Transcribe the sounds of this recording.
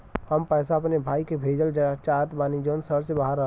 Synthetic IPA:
həmpɛːsaɐpnebʱaːikebʱeːd͡ʒəld͡ʒəɡat͡ʃaːt̪baːnid͡ʒoːnsəɾsebaɦaɾəɦ

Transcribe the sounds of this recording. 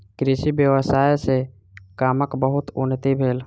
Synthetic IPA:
kɾiʃibjəʋəsaːjse | kaːməkbəɦʊt̪ʊnːət̪ibʱeːl

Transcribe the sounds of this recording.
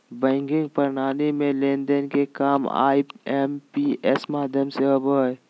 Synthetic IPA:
bɛ̃ːŋɡɪ̃ŋɡ̚pəɾnaːnemẽleːnd̪ənkekaːma̰ːiempiɛsmaːd̪ʱjəmseəboɦ

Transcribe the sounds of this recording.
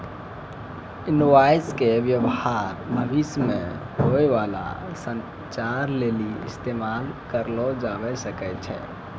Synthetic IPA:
inoʋaiskeʋjəbhaɾməbʱismḛ̃ɦoeʋala̰sə̃n | t͡ʃaɾleliɪ̰st̪emalkəɾlɔd͡ʒabɛsəkɛt͡ʃʰɛ̰

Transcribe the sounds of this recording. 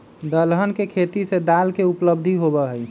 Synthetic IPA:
d̪əlɦənkekʰet̪ised̪alkeupləbd̪ʱiɦobɛɦəj

